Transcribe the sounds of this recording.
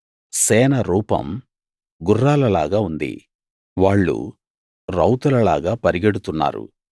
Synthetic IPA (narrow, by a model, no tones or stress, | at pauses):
sɛːnɐɾuːpɐ̰m | ɡurːaːlɐlaːɡaːund̪ḭ | ʋaːɭːṵ | ɾɐwt̪ulɐlaːɡaːpɐɾiɡeɽut̪unːa̰ːɾṵ